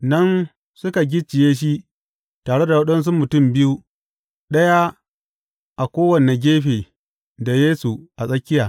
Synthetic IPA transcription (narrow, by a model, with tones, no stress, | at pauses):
nɐ˦n | sʊ˦ka˨ɡʲɪ˦t͡ʃːɪ˨jeː˦ʃ̬i˦ | taː˨ɽe˦da˨wɐ˦ɗɐ˦ns̬u˦mːʊ˨tʊ˦˨mbɪ˦ju˦ | ɗɐ˦ja˦ | ʔa˨kʷoː˦wɐ˨ne˨ɡʲeː˦ɸeː˨ | da˨jeː˦su˨ʔa˨sʼɐ˦kʲːɪ˦jaː˨